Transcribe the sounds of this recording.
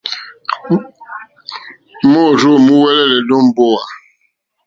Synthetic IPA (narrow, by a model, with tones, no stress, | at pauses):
mɔ˦˨ɾo˦˨mu˦wɛ˦lɛ˦lɛ˨dɔ˦m˦bɔ˦wa˨